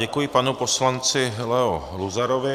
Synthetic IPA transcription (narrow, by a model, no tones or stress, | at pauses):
ɛkujɪpanuposlant͡sɪlɛo | luzaɾovɪ